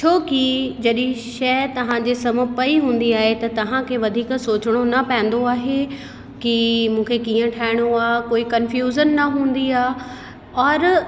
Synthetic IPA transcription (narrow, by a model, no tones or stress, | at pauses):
t͡ɕʰoːkid͡ʑɐɗĩʃɐt̪ɐʋ̤ãd͡ʑeːsɐməpɐiɦũːn̆d̪iaːɦet̪ɐt̪ɐʋ̤ãkʰeːʋɐd̪ʱiːksoːt͡ɕɪɽ̃onɐpɛ̃ɪ̃n̆d̪oaːɦe | kimũːkʰekiːə̃ʈʰaːɪɽ̃oaːkoːikɐnfjuːzənːɐɦũːn̆d̪iaːɦ | ɔːɾ